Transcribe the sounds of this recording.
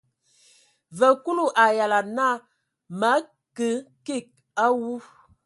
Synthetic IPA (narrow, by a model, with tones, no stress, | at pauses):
və˨ku˦lu˦ʔa˨ja˨la˨na˦˨ | ma˨˦ | kə˨˦ki˦˨k̚ | a˦wu˦